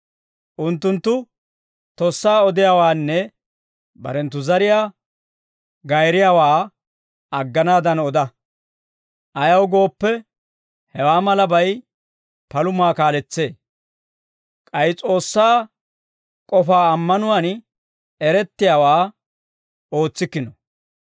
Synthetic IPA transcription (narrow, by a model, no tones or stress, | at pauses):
ʔʊnt̪ːʊnt̪ːʊ | t̪ɔsːaːɔd̪ɪjaːwaːnːɛ | bɐ̰ɾɛnt̪ːʊzɐɾɪjaː | ɡɐjɾɪjaːwaː | ɐɡːɐnaːd̪ɐnɔd̪ɐ | ʔɐjɐwɡo̞ːpːɛ | hɛwaːmɐlɐbɐj | pɐlʊmaːkaːlɛt͡sːe̞ː | kʼɐjt͡sʼo̞ːsːaː | kʼɔfaːɐmːɐnʊwan | ɛɾɛt̪ːɪjaːwaː | o̞ːt͡sːɪkːɪnɔ